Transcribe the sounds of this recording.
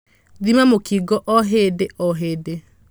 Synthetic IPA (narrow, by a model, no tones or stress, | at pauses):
ðimamokiɡɔʔɔɦedeɔɦeːde